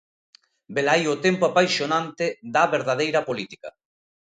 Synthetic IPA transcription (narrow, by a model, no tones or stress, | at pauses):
belajot̪ɛmpoapajʃonãnt̪ed̪aβeɾðaðejɾɐpolit̪i̥ka̰